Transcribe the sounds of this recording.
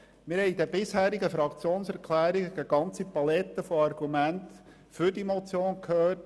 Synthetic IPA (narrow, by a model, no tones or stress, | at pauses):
mɪɾhɛɪd̪ɛbɪshæːɾiɡəfɾɑkt͡sjoːnsæɾkʰlæːɾiɡəɡæɡɑnt͡sipɑlɛt̪ːəfoɑrɡ̥umænt | fʏdimɔt͡sjoːnkʰhøːt